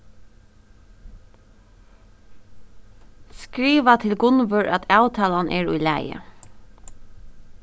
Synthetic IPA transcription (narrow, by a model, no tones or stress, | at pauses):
skɹiːʋat̪ʰɪlɡʊnʋʏɹʔæt̪ʰɑːʋt̪ʰɑːlanʔɛːɹṵjlæ̰jə̰